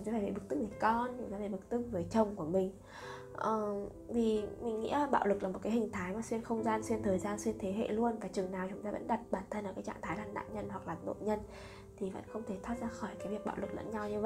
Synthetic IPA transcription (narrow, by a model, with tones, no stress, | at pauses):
aː˧˦faː˧˩vḛ˨˩ɓɨ˨˩k̚t̪ɨ˦˥k̚vəː˨˦jkɔ˧nt͡ɕʊ˨˦ŋ͡mt̪aː˧vaː˧˩ɓɨ˨˩k̚t̪ɨ˦˥k̚vəː˨˦jt͡ɕə˨˩wŋ͡mku˧˩əmï˨˩ŋ̟ | ʔəː˨˩ | vi˨˩mï˨˩ŋ̟ŋḭ˧˥əlaː˨˩ɓa̰ː˧˨wlɨ˨˩k̚laː˨˩mo˨t̚kaː˨˦jhï˨˩ŋ̟t̪ʰaː˨˦jmaː˨˩swi˧ənxə˧wŋ͡mzaː˧nswi˧ənt̪ʰəː˨˩jzaː˧nswi˧ənt̪ʰe˨˦ɦḛ˧˨lu˧ənvaː˨˩t͡ɕɨ˨˩əŋnaː˨˩wt͡ɕʊ˨˦ŋ͡mt̪aː˧və̰˧˥nɗa˨˩t̚ɓaː˧˩nt̪ʰə˧nʔːkaː˨˦jt͡ɕa̰ː˧˨ŋt̪ʰaː˨˦jlaː˧nɗa̰ː˧˨ɲə˧nhwa˨˩k̚laː˨˩ɗo̰˧˨ɲə˧n | t̪ʰi˨˩və̰˧˥nxə˧wŋ͡mt̪ʰe˧˩t̪ʰwaː˦˥t̚zaː˧xɔ˧˩jkaː˨˦vi˨˩ək̚ɓa̰ː˧˨wlɨ˨˩k̚lə̰˧˥nɲa˧wɲɨ˧və̰˧˨j